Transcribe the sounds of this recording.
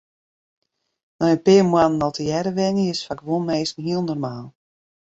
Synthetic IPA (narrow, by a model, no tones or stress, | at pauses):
nɔjəpɪːmwanənɔlˠtʰəjɛɾəʋɛnəɪsfakʋolˠmeːsn̩ɦiəlˠnɔrmaːlˠ